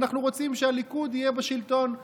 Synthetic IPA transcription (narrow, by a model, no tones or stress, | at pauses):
naχnuʁo̞t͡simʃealikud̪ijebaʃilt̪o̞n